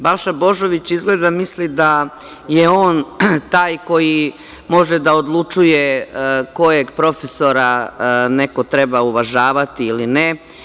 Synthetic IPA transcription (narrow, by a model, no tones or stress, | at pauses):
balˠʃabo̞ʒo̞ʋit͡ɕizɡle̞ːd̪amislid̪a | jeo̞ːnt̪aːjko̞ji | mo̞ʒed̪aod̪lˠut͡ʂujeko̞jeɡpɾo̞feso̞ɾaneko̞t̪ɾebauʋaʒaːʋat̪iiline